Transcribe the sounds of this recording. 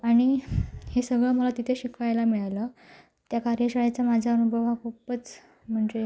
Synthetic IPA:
aɽ̃ihesəɡɭəməlat̪it̪ʰeɕikʰajlamiɭlə | t̪jakaɾjəɕaɭat͡samad͡ʑʱaənubʱəʋakʰupət͡s | m̤əɳd͡ʑe

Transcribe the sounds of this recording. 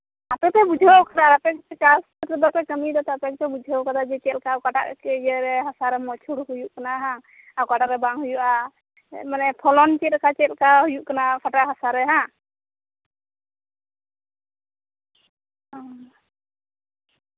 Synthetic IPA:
at̪ɛt̪ɛbud͡ʒʱawkad̪aɾapɛk̚t̪ɛkasɔt̪ɾɛb̪apɛkəmid̪ɔt̪ɛapɛk̚t̪ɛbud͡ʒʱawkad̪ad͡ʒɛt͡ʃɛlkawkaʈa̰ʔkɛd͡ʒɛɾɛɦasaɾɛmɔt͡ʃʰuɽɦujuʔkanaɦã | awkaʈaɾɛbaŋɦujuʔa | manɛpʰɔlɔnt͡ʃɛt̪kʰat͡ʃɛlkaɦujuʔkanapʰaʈaʔɦasaɾɛɦã

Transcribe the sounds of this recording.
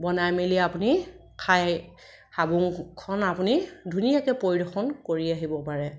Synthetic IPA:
bɔnajmeliapuni | kʰaj | habuŋkʰɔnapunidʱunijakɛpoɹidɔxɔnkoɹiaɦibɔpaɹɛ

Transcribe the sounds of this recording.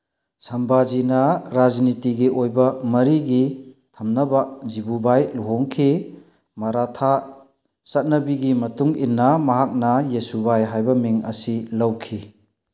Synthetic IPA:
sɐmbad͡ʒinɐɾad͡ʒnitiɡiʔojbɐmɐɾiɡitʰɐmnɐbad͡ʒibubajluɦɔŋkʰi | mɐɾatʰa | sɐt̚nɐbiɡimɐtuŋinːɐmɐɦak̚nɐjesubajɦajbɐmiŋɐ̰silɐwkʰi

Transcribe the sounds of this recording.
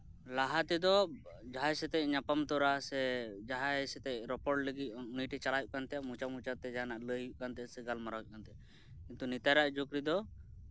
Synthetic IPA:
laɦat̪ɛd̪ɔd͡ʒaɦaɛsɛt̪ɛcɲapamt̪ɔɾasɛd͡ʒaɦaɛsɛt̪ɛcɾɔpɔɾɖləɡit̚nijʈɛt͡ʃalajʔ̚kant̪ɛamut͡ʃamut͡ʃat̪ɛd͡ʒaanaʔləjkant̪ɛsɛɡalmaɾaw̚kant̪ɛ | kint̪unit̪aɾaʔd͡ʒokɾid̪ɔ

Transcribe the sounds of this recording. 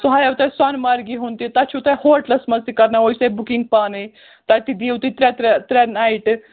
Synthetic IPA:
soɦɐjɐwt̪ɐsɐnmɐɾɡiɦunt̪it̪ɐt͡ʃʰut̪ɐhoːʈlɐsmɐzt̪ikɐɾnaoisɐbukiŋɡ̚paːnej | t̪ɐt̪id̪iːwt̪it̪ɾɛt̪ɾɛt̪ɾɛnaiʈ

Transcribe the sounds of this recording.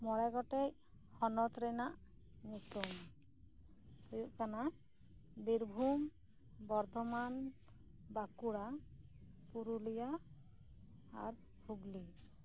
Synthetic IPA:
mɔɽɛɡɔʈɛc | hɔnɔt̪ɾɛnaʔ | ɲit̪um | hujuʔkana | biɾbʱum | bɔɾd̪ʱɔman | bakuɽa | puɾulija | ɾ | bʰʱuɡli

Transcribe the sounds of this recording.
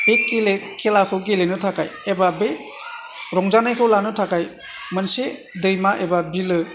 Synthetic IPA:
ekːelekʰelakʰɯwɡelenɯtʰaka̰jebabe | ɾɔŋd͡ʒanajkʰɯwlanɯtʰakaj | mɯnse | dɯjmaʔebabilɯ

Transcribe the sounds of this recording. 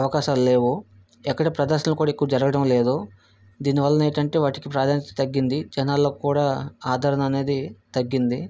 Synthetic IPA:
ɐʋɐkaːʃamle̞ːʋu | ɛkːɐɽepɾɐd̪ɐɾʃɐnɐlukuːɽaekːuʋɐd͡ʒɐɾɐɡɐɽɐmle̞ːd̪o | d̪iːniʋɐlːɐneːʈɐɳʈe̞ːʋaːʈikipɾaːd̪ʱaːnit̪t̪ɐɡːind̪id͡ʒɛnaːlːoːkkuːɽaːaːd̪ʱaːɾɐnɐːne̞ːd̪it̪ɐɡːind̪i

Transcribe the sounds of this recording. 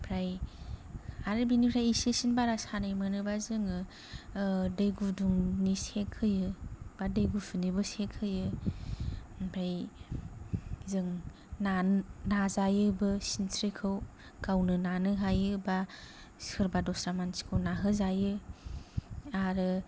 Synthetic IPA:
pʰɾaj | aɾɯbinipʰɾajisesinbaɾasanajmɯnɯbazɯŋɯ | dɯjɡuduŋnisekʰɯjɯb̥adɯjɡusʰunibɯsekʰɯjɯ | pʰɾaj | zɯŋ | nanazajɯbɯsinsɾikʰɯw | kawnɯnanɯɦajɯba | sɯɾbadɔsɾamansi̥kʰɯwnaɦɯzajɯ | aɾɯ

